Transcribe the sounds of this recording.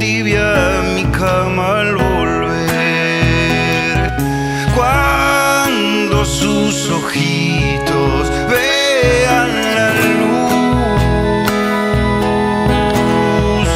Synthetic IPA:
iβja | mika | ma | lβolβeɾ | ɾ | kwa | n | d̪osu | soxi | t̪o | s | βe | an | la | l | u | s

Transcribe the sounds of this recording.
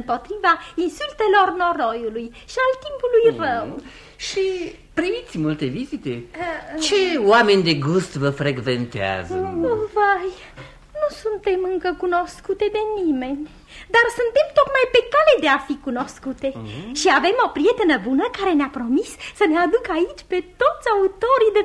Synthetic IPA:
mpo̞t̪ɾivainsult̪e̞lo̞rno̞ɾo̞juluj | ʃialt̪impulujrəw | ʃi | pɾimit̪sʲmult̪e̞vizit̪e̞t͡ʃe̞oamenʲd̪e̞ɡust̪vəfɾeɡvent̪ea̰zəovaj | nusunt̪e̞mɨŋkəkuno̞skut̪e̞d̪e̞nime̞nʲ | d̪arsunt̪e̞mt̪o̞t̪majpe̞kale̞d̪e̞afikuno̞skut̪e̞ʃiave̞mo̞pɾije̞t̪enəbunəkaɾe̞neapɾo̞misːənead̪ukait͡ʃʲpe̞t̪o̞t̪sʲaut̪o̞ɾijd̪e

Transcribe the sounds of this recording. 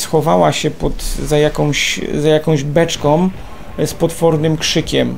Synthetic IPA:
sxɔvawaɕɛpɔt̪zajakɔ̃w̃ɕzajakɔ̃w̃ʑbɛt͡ʂkɔ̃w̃ | spɔt̪fɔɾnɘmkʂɘkʲɛm

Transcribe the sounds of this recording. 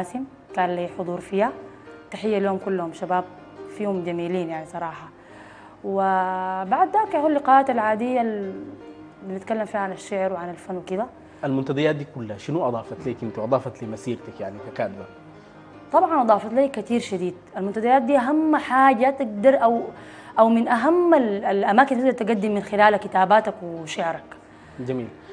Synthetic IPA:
aːsɪm | kaːnliːħʊd̪ˤuːɾfiːha | t̪aħɪjːaliuːmkulːʊhumʃabaːb̚ | fiːhumɟamiːliːnjaʕnisˤɑɾˤɑːħɑ | wɪbaʕd̪ːaːkaʕuːlːɪqaːʔaːt̪alʕaːd̪ɪjːal | bɪnɪt̪kalːamfiːhaʕanaʃːɪʕɾwɪʕanalfanːwɪkid̪a | ʔalmʊnt̪ad̪ajaːt̪̚d̪iːkulːhaʃɪnuʔɑd̪ˤɑːfɑt̪liːkɪnt̪wʔɑd̪ˤɑːfɑt̪limasiːɾt̪akjaʕnikakaːd̪ba | t̪ˤɑbʕɑnʔɑd̪ˤɑːfɑt̪laːkːat̪iːɾʃad̪iːd̪̚ʔalmʊnt̪ad̪ajaːt̪̚d̪iːʔaɦamːħaːɟat̪ɪɡd̪ɑɾˤʔaw | ʔawmɪnʔaɦamːalalʔamaːkint̪ɪɡ̚d̪ɾt̪ɪɡad̪ːɪmːɪnxɪlaːlakːɪt̪aːbaːt̪akwɪʃɪʕɾak | d͡ʒamiːl

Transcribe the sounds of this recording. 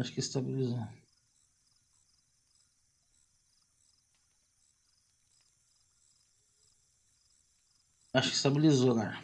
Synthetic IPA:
aʃʊ̥kɪst̪abilizo | aʃʊkɪ̥st̪abilizokaɾɐ

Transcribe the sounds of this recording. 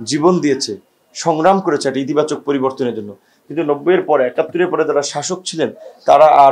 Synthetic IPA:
d͡ʑibond̪ijet͡ɕʰe | ʃɔŋɾamkoɾet͡ɕʰeɛkʈiit̪ibat͡ɕok̚poɾiboɾt̪oneɾd͡ʑonːo | kint̪unɔbːojeɾpɔɾeɛkat̪ːoɾeɾpɔɾed͡ʑaɾaʃaʃok̚t͡ɕʰilent̪aɾaʔa

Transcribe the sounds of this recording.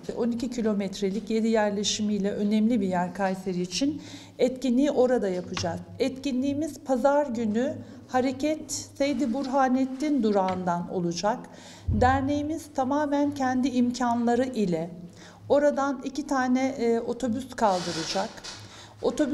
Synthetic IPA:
ɛʔo̞nicicʰilʲo̞mɛt̪ɾelʲicje̞d̪ijæɾlʲeʃimijlʲɛʔø̞nɛmlʲibijæɾkʰajseɾiːt͡ʃʰin | ɛt̪cinlʲiːʔo̞ɾad̪ajapʰɯd͡ʒakɛt̪cinlʲiːmiz̥pʰazaɾɟyny | haɾecʰɛt̪sejd̪ibuɾɦaːnɛt̪ːind̪uɾaːnd̪ano̞̰lˠud͡ʒak | d̪æɾne̞jimiz̥t̪ʰamaːmæncʰɛnd̪iːmcʰanlˠaɾɯʔilʲɛ | o̞ɾad̪anicit̪ʰaːnɛo̞t̪ʰo̞byskʰalˠd̪ɯɾɯd͡ʒak | o̞t̪ʰo̞b

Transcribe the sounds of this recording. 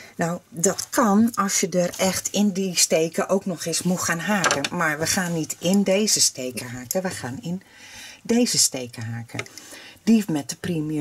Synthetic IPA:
nawdɔtkʰɑnɔsjədərɛxtʰɪndisteːkəʔowknɔxɪsmuxaːnɦaːkəmaɹʋəxaːnːitɪndeːzəsteːkəɦaːkəʋəxaːnɪn | deːzəsteːkəɦaːkʰə̰d̥ifmɛt̚dəprimə

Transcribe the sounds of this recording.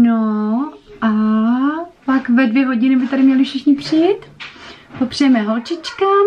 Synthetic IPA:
no | ʔa | pakvɛdvjɛɦoɟɪnɪbɪt̪aɾɪmɲɛlɪfʃɪxɲɪpr̥ɪjt̪popr̥ɛjɛmɛɦolt͡ʃɪt͡ʃka

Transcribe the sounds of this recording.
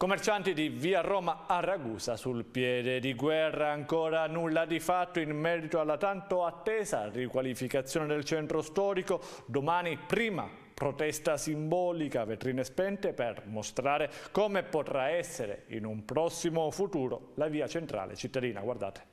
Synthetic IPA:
komːert͡ʃant̪id̪iviːarɔːmaaɾaɡuːzasulpjɛːd̪ed̪iɡwɛrːaːŋkɔːɾanulːad̪ifat̪ːoinmɛːɾit̪oalːat̪ant̪oat̪ːɛːza̰rikwalifikat̪sːjɔːned̪elt͡ʃɛnt̪ɾost̪ɔːɾiko | d̪omaːnipɾiːma̰ | pɾot̪ɛst̪asimbɔːlikavet̪ɾiːnespɛnt̪epermost̪ɾaːɾekoːmepot̪ɾaɛsːeɾḛḭnumpɾɔsːimofut̪uːɾo̰laviːat͡ʃent̪ɾa̰ːlḛt͡ʃit̪ːad̪iːna̰ɡward̪a̰ːt̪e̥

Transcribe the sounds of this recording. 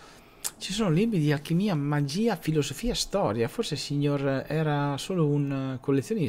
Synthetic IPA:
t͡ʃisonlibɾid̪ialkimiamad͡ʒiːafilozofiːast̪ɔːɾjaforsesiɲoɾɛːɾasoːlounkolːet̪sːjoːni

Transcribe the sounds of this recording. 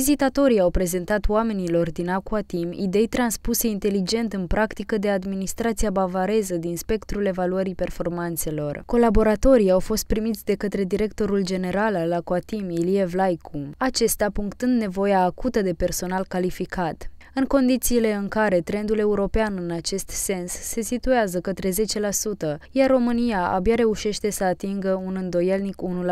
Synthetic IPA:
izit̪at̪o̞ɾiawpɾe̞ze̞nt̪at̪wame̞nilo̞rd̪inakuat̪imḭd̪e̞jt̪ɾanspuse̞int̪e̞lid͡ʒe̞nt̪ɨnpɾakt̪ikəd̪e̞ad̪minist̪ɾat̪siabavaɾe̞zəd̪inspe̞kt̪ɾule̞valuəɾipe̞rfo̞rmant̪se̞lo̞rko̞labo̞ɾat̪o̞ɾijawfo̞st̪̚pɾimit̪sʲd̪e̞kət̪ɾe̞d̪iɾe̞kt̪o̞ɾuld͡ʒe̞ne̞ɾalalːakuat̪imilievlajkʰuat͡ʃe̞st̪apuŋkt̪ɨnd̪ne̞vo̞jaːkut̪əd̪e̞pe̞rso̞nalkalifikʰat̪ | ɨŋko̞nd̪it̪siːle̞ɨŋkaɾe̞t̪ɾe̞nd̪ule̞uɾo̞peanɨnat͡ʃe̞st̪se̞nsːe̞sit̪ueazəkət̪ɾe̞ze̞t͡ʃe̞lasut̪əjarːo̞mɨnijaʔa̰bjaɾe̞uʃe̞ʃt̪e̞səat̪iŋɡəunɨnd̪o̞je̞lnikunul

